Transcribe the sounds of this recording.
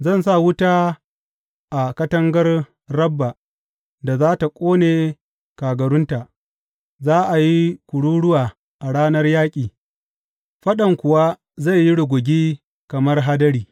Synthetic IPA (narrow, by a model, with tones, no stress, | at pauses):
zɐ˦˨nsa˦˨wʊ˦taː˦ | ʔa˨kɐ˦tɐ˦ŋɡɐ˦r | rɐ˦bːa˨ | da˨zaː˦ta˨kʷʼoː˦neː˨ | kaː˨ɡɐ˨ɽʊ˦nta˨ | zaː˦ʔa˨ji˦kʷʊ˨ɽuː˦ɽʊ˦waː˨ | ʔa˨ɽaː˦nɐ˦rjaː˦kʲʼiː˨ | ɸɐ˦ɗɐ˨ŋkʷʊ˨wa˦ | za˦˨jːi˦ɽʊ˨ɡʷʊ˨ɡʲiː˦ | kɐ˨mɐ˦rɦa˦dɐ˦ɽiː˨